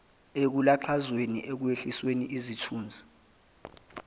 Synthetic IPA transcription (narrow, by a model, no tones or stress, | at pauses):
ek̬ulaǃʰazweniʔek̬ueɬisweniʔizitʰuːnd͡zʱi̥